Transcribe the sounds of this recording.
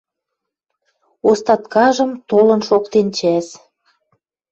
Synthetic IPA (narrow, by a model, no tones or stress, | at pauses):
ost̪ɑt̪kɑʒə̆mt̪olə̆nʃokt̪ent͡ɕæs